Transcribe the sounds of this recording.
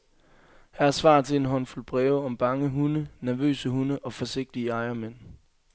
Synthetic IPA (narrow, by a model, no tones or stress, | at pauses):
hææɐsʋɑ̰̈ːt͡sʰe̝e̝nɦɒ̽nfulb̥ʁɛːʊɒ̽mb̥ɑ̈ŋəɦunənæɐʋø̰ːsəhunəʔɒ̽fɒ̽se̝ɡ̥̚d̥iəɑ̈ɪɐmen̰